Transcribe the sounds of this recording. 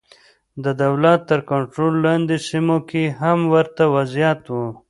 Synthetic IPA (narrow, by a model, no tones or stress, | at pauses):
d̪əd̪awlat̪ːəɾkaɳʈɾolːɑnd̪isimokʰeɦamwəɾt̪awazjat̪wu